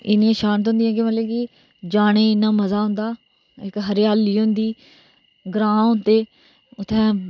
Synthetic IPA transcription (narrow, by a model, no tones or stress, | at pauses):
ɪ̰niãːʃaːnt̪ɦʊ̃nd̪ijãːkẽməlekɪ | d͡ʒaːɽ̃eːɪnːãːməzaːɦʊ̃nd̪aː | ɪkɦəɾjaːlːiːʊ̃nd̪iː | ɡɾãːɦʊ̃nt̪eː | ʊt̪ʰːɛ̃ː